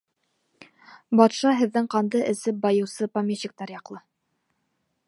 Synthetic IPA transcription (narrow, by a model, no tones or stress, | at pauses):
bɑt̪ʃɑɦɘ̆ðːɘŋqɑnd̪ɤʔɘ̆sɘp̚bɑjɤ̆wsɤpamʲet͡ɕːik̚t̪ɑɾjɑqlˠɤ